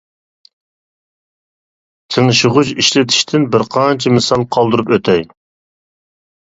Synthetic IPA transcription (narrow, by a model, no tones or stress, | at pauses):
t̪ʰəŋɨʃəʁʊt͡ʃiʃlɪt̪ʰi̥ʃt̪ʰɪnbɪɾqʰɑnt͡ʃʰɛmsɑlˠqʰɑlˠd̪ɨɾupøt̪ʰɛj